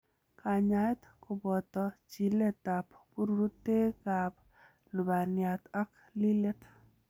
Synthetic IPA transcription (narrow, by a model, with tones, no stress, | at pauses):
ka˨ɲajt̪kʊ˨bɔ˨t̪ɔt͡ʃi˨le˦t̪a˨ppu˦ɾuɾu˦t̪ːe˦kap | lu˨ba˨njat̪a˦k | li˦le˦t̪